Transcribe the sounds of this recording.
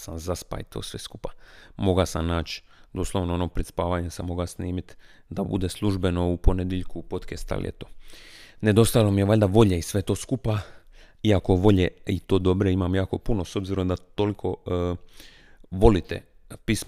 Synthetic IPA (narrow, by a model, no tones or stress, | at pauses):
samzaspa̰it̪ʰo̞̰ːsʋeskupamo̞ɡasamnaːt͡ɕ | d̪oslˠoʋnoonopɾet̪spaːʋaːɲesamo̞ɡasniːmit̪d̪abṵd̪eslˠuʒbe̞no̞upo̞ned̪jeʎkupo̞t̪kest̪a̰lḭḛt̪oːned̪o̞st̪ajlomijeʋaʎd̪aʋo̞ʎeisʋet̪o̞ːskupaiako̞ʋo̞ʎeit̪o̞ːd̪o̞bɾeimamjaːko̞punoso̞bziɾo̞md̪at̪olikʰo̞ | ʋo̞lit̪ḛpis